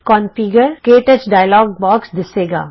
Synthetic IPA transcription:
kɔ̃ːnfiːɡəɾkeːʈət͡ʃɖaːɪlɔːɡ̚bɔːksd̪ɪseːɡa̰ː

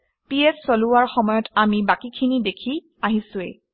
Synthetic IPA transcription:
piɛssoluwaɹxɔmɔjɔtamibakikʰinidekʰi | aɦisʊɛ̰

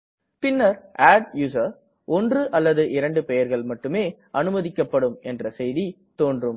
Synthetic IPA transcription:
pɪnːɐɾaːɖjuːsɐɾ | ʔɔndrɯʔɐlːɐðɯʔɪɾɐɳɖɯpɛjɐɾɣɐɭmɐʈːɯmeːʔɐnɯmɐðɪkːɐpːɐɽɯmɛndrɐsɛjði | t̪oːndrɯm

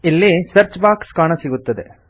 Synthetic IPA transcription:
ilːisɐɾt͡ʃbaːkskaːɳɐsiɡut̪ːɐd̪ḛ

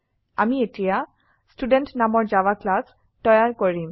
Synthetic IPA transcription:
a̰mietija | studentnamɔɹzawaklas | tɔjaɹkoɹim

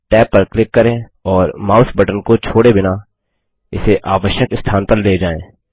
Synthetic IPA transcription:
ʈɛːpːəɾklɪkːəɾẽːɔːɾmaːʊsbɐʈənkot͡ʃʰoːɽebɪna | ɪseʔaːʋəʃjəkɪst̪ʰaːnpəɾleːd͡ʒaːẽː

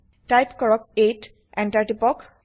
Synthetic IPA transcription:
ʈajpkɔɹɔk̚eʈ | ɛ̃nʈaɹʈipɔk

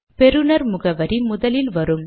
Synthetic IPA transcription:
pɛɾɯnɐɾmʊɣɐʋɐɾimʊðɐlɪlʋɐɾɯm

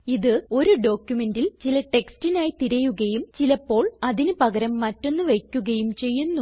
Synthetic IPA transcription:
iðɨo̞ɾuɖo̞ːkʲjume̞ndilt͡ɕilɐʈe̞kstinaːjit̪iɾɐjuɣɐjumt͡ɕilɐpːo̞ːɭɐðinupɐɣɐɾɐmːɐtːo̞nːɨʋejkʲːuɣɐjumt͡ɕe̞jːunːu

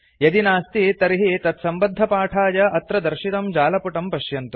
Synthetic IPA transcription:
jɐd̪inaːst̪it̪ɐɾiɦit̪ɐt̪sɐmbɐd̪ʱːɐpaːʈʰaːd͡ʒɐʔɐt̪ɾɐd̪ɐɾʃit̪ɐmd͡ʒaːlɐpuʈɐmpɐʃjɐnt̪u

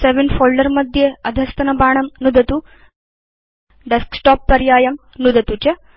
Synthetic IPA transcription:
seʋinfoːlɖɐɾmɐd̪ʱjeɐd̪ʱɐst̪ɐnɐbaːɳ̃ɐmnud̪ɐt̪u | ɖesksʈɔːpːɐɾjaːjɐm | nud̪ɐt̪ut͡ʃɐ

